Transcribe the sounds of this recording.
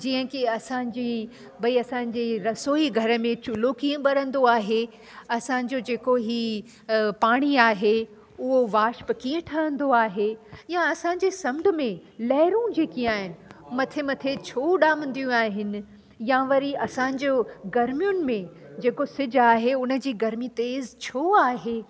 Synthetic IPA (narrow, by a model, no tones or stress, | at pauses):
d͡ʑĩːɦə̃kiɐsãːɲ̆d͡ʑi | bɐiɐsãɲ̆d͡ʑeɾɐsoːiɡʱɐɾəmẽt͡ɕʊlokiːə̃ɓɐɾə̃nd̪oaːɦe | ɐsãːɲ̆d͡ʑod͡ʑeːkoɦi | paːɽ̃iaːɦe | ʊɦoʋaːʃpkiːə̃ʈʰɐə̃nd̪oaːɦejãɐsãːɲ̆d͡ʑesɐ̃mɖʱmẽlɐɦɪɾũd͡ʑeːkĩaːɦɪnɪ̆mɐt̪ʰemɐt̪ʰet͡ɕʰoːɗaːmə̃nd̪ijũaːɦɪnɪ̆ | jãʋɐɾiɐsãːɲ̆d͡ʑoɡɐɾmijʊnɪ̆mẽ | d͡ʑeːkosɪd͡ʑaːɦeʊnə̆d͡ʑiːɡɐɾmit̪eːzt͡ɕʰoːaːɦeː